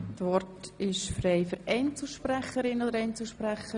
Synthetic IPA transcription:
tʋɔɾtɪʃfreɪfəɾɛɪnt͡səʃpræχəɾɪnod̪əɾɛɪnt͡slʃpɾæχə

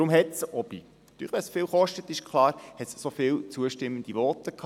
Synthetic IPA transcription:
ɾʊmɦɛtsʔɔb̥inɑt̪y̰ːɛsfɪːlχɔʃtət̪ɪʃkʰlɑːɾhɛt̪ssofɪːlt͡suəʃtɪmːənd̥̪iʋɔtəkʰː

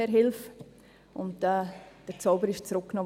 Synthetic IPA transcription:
ɛɾɦɪlf | ʊ̰ntɛd̥əɾt͡soʊbəɾɪʃt͡sɾʊkknɔː

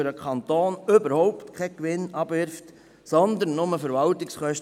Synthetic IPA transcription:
ɾəkʰɑnt̪oːnʏbəɾhɔʊptkʰɛkʋɪnɑb̥ʋɪɾft | sɔnd̪ənːʊməfəɾvɑlt̪ɪksχœʃt

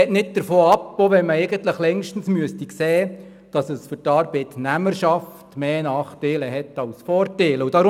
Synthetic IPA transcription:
ɛtnɪt̚d̥̪əɾfoːɑpːoʋɛnməɛɪɡəntləχlɛŋʃtən̩smyəstikseː | d̥ɑsəsfʏɾtɑːɾbɛɪt̪næməɾʃɑftmeːnɑːχtɛɪləɦɛtːɑwsfɔːɾtɛɪlʊd̥ɑɾ

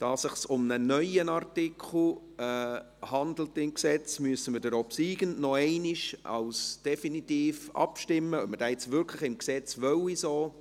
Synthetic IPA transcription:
d̥ɑːsɪχsʊmnənœʏənɑrtɪkʰχl̩ | ɛ | hɑnd̪l̩tɪmksɛt͡smyəsəmədəɾopsiːɡənnɔɛɪnɪʃɑ̰lsd̥ɛfinit̪iːfɑ̰pʃtɪmːəœməd̥ajɪt͡svʏɾkʰləχɪmksɛt͡sʋœwisoː

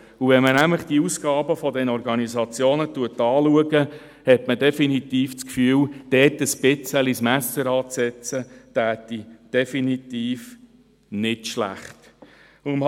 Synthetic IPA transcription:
uvɛnmənæmləχd̥iəusɡ̥ɑːbəfɔdɛnɔɾɡɑnizɑt͡sjoːnətuətːɑːluəɡə | hɛtmədɛfinit̪iːft͡skfyːəwd̥ɛːtəsb̥ɪt͡səlismæsəɾɑːt͡sɛt͡sətæːtːid̥ɛfinitiːf | nɪtʃlæ̰χt | um

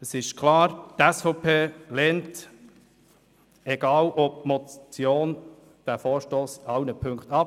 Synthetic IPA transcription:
əsɪʃkʰlɑːɾtɛsfɔpʰeːlɛːnt | ɛɡ̥ɑːlʔɔp̚mɔt͡sjoːn | d̥æfɔːɾʃtoːsɑwnəpʰɵŋktɑp

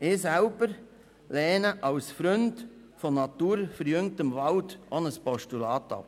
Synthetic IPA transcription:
ɪːsælb̥əɾ | lɛːnəʔɑwsfɾɵnd | fɔnɑtuːɾfəɾjʏŋtəmvɑltʔoːnəspɔʃtulɑːtːɑ̰p

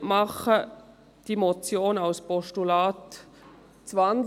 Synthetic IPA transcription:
mɑχə | d̥imot͡sjoːnaʊspɔʃtulaːt | t͡svan

